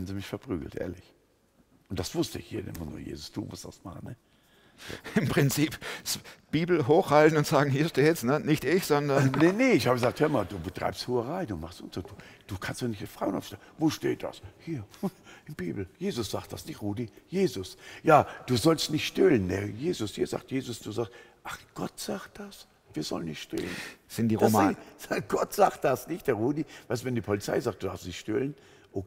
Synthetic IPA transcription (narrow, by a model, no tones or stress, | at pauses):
n̩ziːmɪçfɛɐpʁ̥y̰ːɡl̩tʔḛːɐlɪç | ʔʊnt̚d̥asv̥ʊstəɪçhiːɐnɪ̰mənṵːɐjḛːzʊsd̥ṵːvʊ̰std̥a̰sma̰χnːɛ | ɪmpʁ̥ɪnt͡siːpsb̥iːbl̩ɦoːxhaltn̩ʊntz̥aːɡŋ̩hiːɐʃteːɛsnənɪçtɪçz̥ɔndɐnnɛneɪçhaːbəɡəzaːkthɛɐmaːduːbətʁ̥a̰ɪpsthuːəʁaɪduːmaχstʊntz̥oːd̥uːd̥uːkʰanstoːnɪçtdɪfʁ̥aʊənʔa̰fʃtɛlnvoːʃteːt̚d̥a̰shiːɐʔɪnbḭːbl̩jeːzʊsz̥aːktd̥asnɪçtʁuːdijeːzʊsjaːd̥uːzɔlstnɪçtʃtɪlənnɛjeːzʊshiːɐza̰ːk̚tjeːzʊsd̥uːzaːksʔaχɡ̥ɔtz̥aːkt̚d̥as | viːɐzɔ̰lənːɪçtʃtɪ̰lə̰nz̥ɪnd̥iːd̥asmɪnɡ̥ɔtz̥aːk̚t̚d̥asnɪçt̚d̥eːʁuːdivaɪstuːvɛndiːpʰɔlit͡sa̰ɪzaːk̚d̥udaɐfstnɪçtʃtɪlən | ʔo